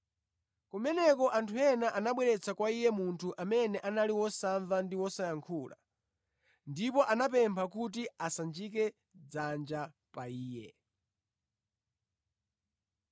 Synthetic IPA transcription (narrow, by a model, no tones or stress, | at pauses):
kumɛnɛkɔʔantʰujɛnaʔanaɓwɛɾɛt͡sʰakwaijɛmuntʰuʔamɛnɛʔanaliwɔsaɱvandiwɔsajaŋkʰuːla̰ | ndipɔʔanapɛmpʰak̬ut̬iasand͡ʒik̬ɛ | d͡zand͡ʒa | paiːjɛ